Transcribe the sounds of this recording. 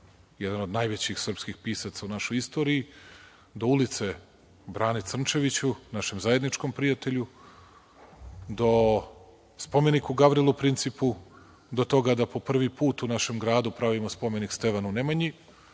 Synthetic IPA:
jed̪ano̞d̪najʋet͡ɕixsr̩pskixpiːsat̪saunaʃojist̪o̞ːɾii | d̪o̞ulˠit̪se̞ | bɾaːnit̪sr̩nt͡ʃe̞ʋit͡ɕunaʃe̞mzaje̞d̪nit͡ʃko̞mpɾijat̪e̞ʎu | d̪o̞ | spo̞me̞nikuɡabɾilˠupɾint̪sipu | d̪o̞t̪o̞ɡad̪apo̞pr̩ʋipuːt̪unaʃe̞mɡɾaːd̪upɾaʋimospo̞me̞nikst̪e̞ʋanunemaɲi

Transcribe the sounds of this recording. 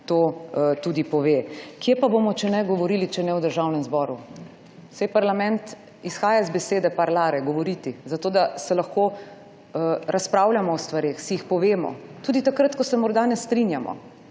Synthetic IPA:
t̪oːt̪uːd̪ipɔʋeːkjepabomɔt͡ʃɛnɛɡɔʋɔɾiːlit͡ʃɛnɛwd̪əɾʒawnɛmzbɔːɾu | sɛjpaɾlamɛnt̪ | isxaːjazbɛseːd̪ɛpaɾlaːɾɛɡɔʋɔɾiːt̪izat̪oːd̪asɛlaxkoː | ɾʔaspɾaːwlʲjamɔːst̪ʋaɾeːxsiixpɔʋeːmɔ̰t̪uːd̪it̪akɾat̪kɔsɛmɔɾd̪anɛst̪ɾinjamɔ̰

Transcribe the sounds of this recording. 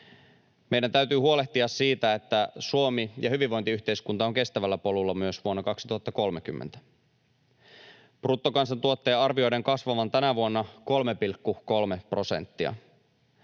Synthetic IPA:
mejdænt̪æyt̪yːhuo̞le̞ht̪iɑssiːt̪æe̞t̪ːæsuomijɑhyʋiʋʋo̞jnt̪iyht̪e̞iskunt̪ɑoŋke̞st̪æʋælːæpo̞lulːɑmyøsʋuonːɑkɑksit̪uhɑt̪ːɑko̞lmek̟ymːḛnt̪æ̥ | prut̪ːokɑnsɑnt̪uot̪ːe̞ːɑrʋio̞jde̞ŋkɑsʋɑʋɑnt̪ænæʋuonːɑko̞lmepilkːuko̞lmepro̞sḛnt̪ːiɑ̰

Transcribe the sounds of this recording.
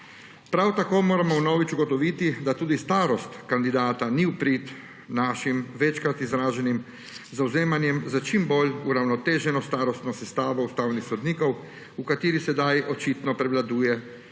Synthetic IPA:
pɾawt̪akoːmoːɾamɔwnɔːʋit͡ʃuɡɔt̪ɔʋit̪id̪at̪uːd̪ist̪aːɾɔst̪kand̪id̪aːt̪aniupɾit̪ | naːʃimʋɛt͡ʃkɾat̪izɾaːʒɛnim | zawzeːmanjɛmzət͡ʃimboluɾawnɔt̪eːʒɛnɔst̪aːɾɔst̪nɔsɛst̪aːʋɔust̪awnixsɔd̪niːkɔw | ukat̪iːɾisɛd̪ajɔt͡ʃit̪nɔpɾɛʋlad̪uːjɛ

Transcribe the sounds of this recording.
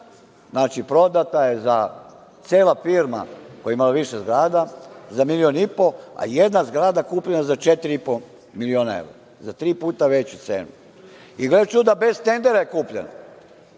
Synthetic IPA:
znaːt͡ʃipɾo̞d̪at̪aje̞za | t̪seːlafiɾma̰kojeimalaʋiʃezɡɾaːd̪azamilionipo̞a̰jed̪nazɡɾaːd̪akuːpʎenazat͡ʃet̪ɾiipo | milioːnaḛʋɾa̰ | zat̪ɾiːpuːt̪aʋe̞t͡ɕut̪sḛːnu | iɡled̪at͡ʃud̪abe̞zt̪e̞nd̪eɾajekuːpʎena̰

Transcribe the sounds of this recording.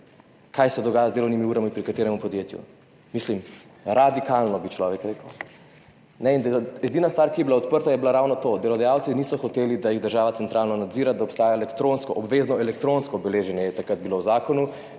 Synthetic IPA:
kajsɛd̪ɔɡaːjazd̪elɔwnimiuɾamipɾikat̪eːɾɛmupɔd̪jet̪jṵ | mislim | ɾad̪ikalnɔbit͡ʃlɔːʋɛkɾekəw | nɛind̪ɛd̪iːnast̪ʋaːɾkijɛbilaɔt̪̚pəɾt̪ajɛbilaɾawnɔt̪od̪elɔd̪ajawtsinisɔxɔt̪eːlid̪ajiɣd̪əɾʒaːʋat̪sɛnt̪ɾʔaːlnɔnad̪ziːɾad̪aɔpst̪aːjaɛlɛkt̪ɾõnskɔʔɔbʋeznɔɛlɛkt̪ɾonskɔbɛleːʒɛnjɛjɛt̪akɾad̪̚bilowzaːkɔnu

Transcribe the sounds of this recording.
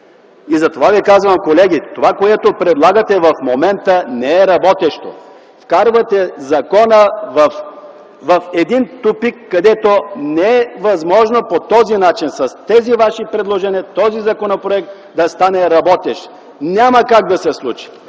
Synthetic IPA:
izɐt̪ovavikazvɐmkolɛɡʲit̪ovakoɛt̪opɾɛd̪lˠaɡət̪ɛvɐfmomɛnt̪ənɛɛɾɐbɔt̪ɛʃt̪o̰ | fkaɾvɐt̪ɛzɐkɔnəvɐf | vɐfɛd̪int̪upikːɐd̪ɛt̪onɛɛvɐzmɔʒnopot̪ɔzinat͡ʃinsɐst̪ɛzivaʃipɾɛd̪lˠoʒɛniət̪ɔzizɐkonopɾoɛk̚t̪ | d̪ɐst̪anɛɾɐbɔt̪ɛʃt̪ | nʲaməkaɡ̚d̪ɐsɛslˠut͡ʃi̥

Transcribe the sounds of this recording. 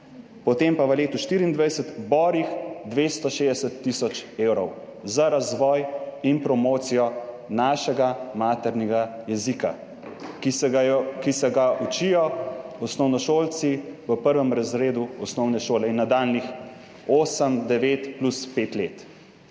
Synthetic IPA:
pɔt̪empaʋəleːt̪uʃt̪iɾiːnd̪ʋajsət̪bɔːɾixd̪ʋeːst̪ɔʃeːd̪ɛsət̪ːisɔt͡ʃeːwɾɔw | zaɾazʋɔːjinpɾɔmoːt̪sijɔ | naːʃɛɡamaːt̪ɛɾnɛɡajɛzika̰ | kisɛɡaʔut͡ʃijɔɔsnɔwnɔʃoːlt̪siʋəpəɾʋɛmɾazɾeːd̪uɔsnɔwnɛʃoːlɛinːad̪aːlnix | oːsəmd̪ɛʋeːt̪pluspeːt̪leːt̪

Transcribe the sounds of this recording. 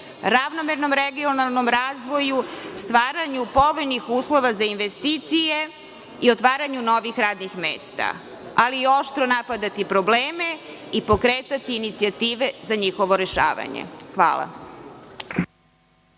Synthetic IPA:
ɾaʋnomeɾno̞mɾeɡionalˠno̞mɾaːzʋo̞just̪ʋaːɾaɲupo̞ʋenixuːslˠo̞ʋazainʋest̪it̪sije̞ | io̞t̪ʋaːɾaɲuno̞ʋixɾaːd̪nixmḛːst̪a̰ | aliːo̞ʃt̪ɾo̞napad̪at̪ipɾo̞bleːme̞ | ipo̞kɾeːt̪at̪iːnit̪siat̪iːʋe̞zaɲixo̞ʋo̞ɾe̞ʃa̰ːʋa̰ɲḛxʋa̰ːla̰

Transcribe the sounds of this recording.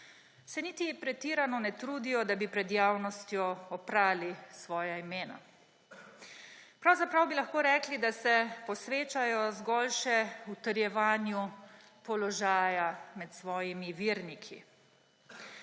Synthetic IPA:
sɛniːt̪ipɾɛt̪iːɾanɔnɛt̪ɾuːd̪ijɔd̪abipɾɛd̪jaːwnɔst̪jɔɔpɾaːlisʋɔːjaimeːna̰ | pɾawzapɾawbilaxkoːɾɛːklid̪asɛpɔsʋeːt͡ʃajɔzɡɔːlʃɛut̪əɾjɛʋaːnju | pɔlɔʒaːjamɛt̪sʋɔːjimiʋiːɾnikʰḭ

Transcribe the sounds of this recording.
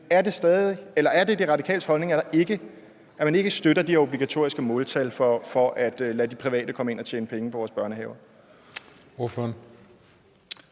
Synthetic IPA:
æɐde̝sd̥ɛːðˠielɐæɐd̥e̝d̥e̝ʁɑ̈dikʰɛ̰ːlshɒ̽lne̝ŋæɐɾɑ̈ʔe̝ɡ̥ə | æɐmæne̝ɡ̥əsd̥øɾɐd̥iæɐob̥liɡ̥æt͡sʰo̝̰ɐ̰isɡ̥əmɔːlt͡sʰælfɒfɒ̽ʔæd̥læd̥ipʰʁiʋɛ̰ːd̥əkʰɒ̽məe̝nɒt͡ɕʰḛːnəpʰeŋəpʰɒʋɒːsb̥ɶɐnəɦɛʊɐ | oføn

